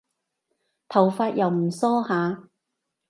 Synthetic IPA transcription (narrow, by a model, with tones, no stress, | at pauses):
t̪ʰɐ˨˩wfaː˧t̚jɐ˨wm̩˨˩sɔː˥haː˨˧